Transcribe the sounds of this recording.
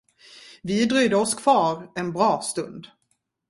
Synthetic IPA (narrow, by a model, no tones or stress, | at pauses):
vɪd̪ɾœːd̪əɔskʰv̥ɑːɾɛnbɾɑːst̪ɵnd̪